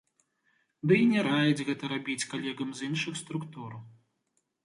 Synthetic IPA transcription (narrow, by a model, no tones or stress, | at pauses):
d̪ɨinʲɛɾajɛd͡zʲɣɛt̪ɐɾabʲit͡sʲkalʲɛɣɐmzinʂɨxst̪ɾukt̪uɾɐ